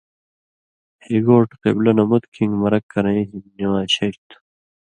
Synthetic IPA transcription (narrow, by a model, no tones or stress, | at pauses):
heɡoːʈqḛblɐnɐmut̪kʰĩŋɡmɐɾɐkːɐɾɐ̃ĩɦimniwaːɕɐt̪